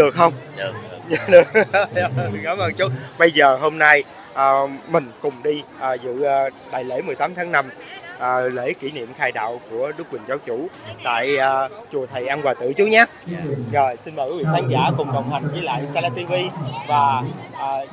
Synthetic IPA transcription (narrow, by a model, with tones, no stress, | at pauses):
ɗɨ˨˩ək̚xə˧wŋ͡m | a˧˩ɗɨ˨˩ək̚ː | kaː˨˦mʔə˧nt͡ɕu˦˥t̚ɓə˧jzəː˨˩ɦo˧mna˧j | ʔəː˨˩mï˨˩ŋ̟kʊ˨˩ŋ͡mɗi˧ʔəː˨˩zɨ̰˧˨˩ɗa̰ː˧˨jlḛ˧˥mɨ˨˩əjt̪aː˨˦mt̪ʰaː˨˦ŋna˧m | ʔːlḛ˧˥ki˧˩nḭ˧˨əmxaː˧jɗa̰ː˧˨wku˧˩əɗɨ˦˥kwï˨˩ŋzaː˨˦wt͡ɕu˧˩t̪a̰ː˧˨jːt͡ɕu˨˩ət̪ʰə˨˩jʔa˧nkwaː˨˩t̪ɨ̰˧˨t͡ɕu˦˥t̚ɲaː˦˥ | zo˨˩jsi˧nmə˨˩kwi˨˦vḭ˧˨k̪ʰaː˨˦nzaː˧˩kʊ˨˩ŋ͡mɗə˨˩wŋ͡mɦ̪a˨˩jŋ̟vəː˨˦jla̰ː˧˨jsa˧laː˧t̪i˧vi˧vaː˨˩ʔː